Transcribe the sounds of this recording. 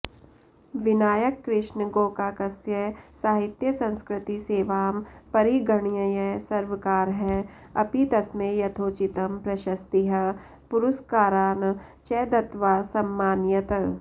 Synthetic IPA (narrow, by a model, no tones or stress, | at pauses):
ʋɪnaːjəkːɾɪʃnɡoːkaːkɐsjɛsaːɦɪt̪jəsɐ̃nskɾɪt̪iseːʋaːmpɐɾiɡəɳijɐjɛsɐɾʋəkaːɾɦɛː | ɐpit̪ɐsmẽjɐt̪ʰoːt͡ʃɪt̪ɐmpɾɐʃɐst̪iɦɐ | pʊɾʊskaːɾaːnt͡ʃɛːd̪ɐt̪ʋaːsɐmːaːnjət̪ɐ